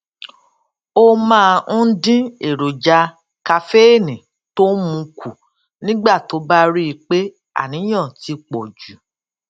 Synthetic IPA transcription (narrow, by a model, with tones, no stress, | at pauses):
o˦mãː˦dĩ˦e˨ɾo˨d͡ʒa˧ | ka˧fe˦e˦˨nĩ˨ | to˦mũ˧kʰu˨ | nĩ˦ɡ͡ba˦˨to˨˦ba˦ɾi˦i˧k͡pe˦ | a̰˦˨nĩ˨˦j̃ã˦˨ti˧k͡pɔ˨d͡ʒu˨